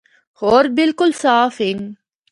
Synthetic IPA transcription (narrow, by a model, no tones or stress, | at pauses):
hʊɾbɪlkʊlsaːfɪŋ